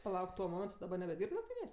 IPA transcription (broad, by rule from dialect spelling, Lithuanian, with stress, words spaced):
pɐˈlˠɐʊk tuɔ ˈmoːmʲɛntʊ dɐˈbɐr nʲɛbʲɛˈdʲiːrp nɐkˈtʲiːnʲeːsʲ